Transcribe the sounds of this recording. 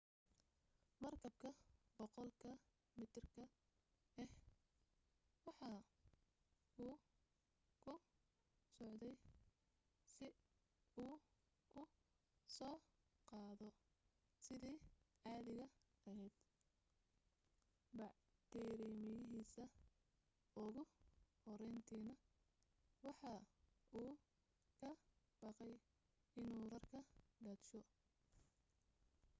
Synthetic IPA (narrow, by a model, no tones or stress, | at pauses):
mɐrkʰɐb̚kʰɐbɔqɔlkʰɐ | mɪt̪ʰrkʰɐ | ɛh | wɑħɑ | ʊː | kʰʊ | sɔʕd̪ɛj | sɪ | uː | ʊ | sɔː | qɑːðɔ | sɪðiːʔɑːðɪɣɐ | ɐɦɛjd̪ | bɑʕ | d̪̥ɛːɾiːmɪjɪɦiːsɐ | ʊɣʊhɔɾɛjnt̪ʰiːnɐ | wɑħɑːuː | kʰɐ | b̥ɑqɛj | ɪnuːrɐrkʰɐɖɐːd̪ʃɔ